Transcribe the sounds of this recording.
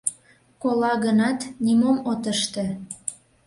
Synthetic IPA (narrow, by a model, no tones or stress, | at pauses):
kolɑɣənɑt̪nimomot̪əʃt̪ĕ